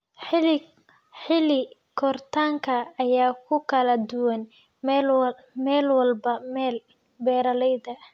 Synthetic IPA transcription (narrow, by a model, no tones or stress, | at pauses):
ħɪlɪkʰɔrt̪ʰaːŋkʰɐːjaːkʰʊkʰɐlɐd̪ʊwɐn | mɛːlwɑlbɐmɛːl | bɛːɾɐlɛjðɐ